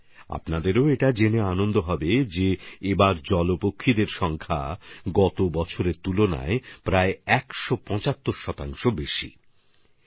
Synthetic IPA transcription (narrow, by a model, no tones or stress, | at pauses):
a̰pnad̪eɾoeʈad͡ʑeneanond̪oɦɔbed͡ʑeebaɾd͡ʑɔlopokʰːid̪eɾʃɔŋkʰa̰ɡɔt̪obɔt͡ɕʰoɾeɾt̪ulona̰epɾaeɛkʃopɔ̃t͡ɕat̪ːoɾʃɔt̪aŋʃobeʃḭ